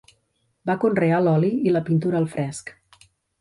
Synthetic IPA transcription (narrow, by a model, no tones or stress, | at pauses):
bakunrealɔliiləpint̪uɾəːlˠfɾɛsk